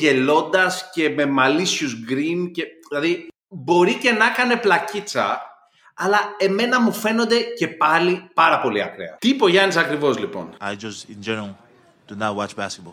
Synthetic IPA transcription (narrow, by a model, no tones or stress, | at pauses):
ʝe̞lo̞nd̪ɐsce̞me̞mɐlisçuzɡɾince̞ilɐði | bo̞ɾice̞nɐkɐne̞plɐcit͡sɐ̰ː | lɐe̞me̞nɐmufe̞no̞nd̪e̞ce̞pɐlipɐɾɐpo̞liɐ̰kɾḛɐ̰t̪iːpo̞ʝɐnisɐkɾivo̞zlipo̞̰najd͡ʒʌstɪ̃nd͡ʒɛnl | d̥unat̚wat͡ʃbæskət̚b̥ɔl